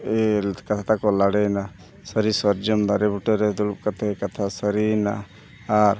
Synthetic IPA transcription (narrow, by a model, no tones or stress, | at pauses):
ɛkat̪ʰat̪akɔlaɽɛjna | səɾisɔɾd͡ʒɔmd̪aɾɛbuʈəɾɛd̪ulup̚kat̪ʰakat̪ʰasəɾina̰ | aɾ